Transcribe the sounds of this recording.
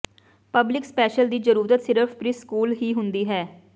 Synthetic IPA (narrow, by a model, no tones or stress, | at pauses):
pəblɪkspɛːʃəld̪iːzəɾuːɾət̪sɪɾəpʰpɾiskuːlɦiːɦʊnd̪iːɦɛː